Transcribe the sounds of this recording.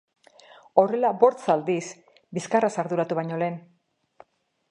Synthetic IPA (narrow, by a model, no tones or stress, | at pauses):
o̞re̞labo̞ɾt͡sald̪is | biskarasaɾðuɾat̪uβaɲo̞le̞ːn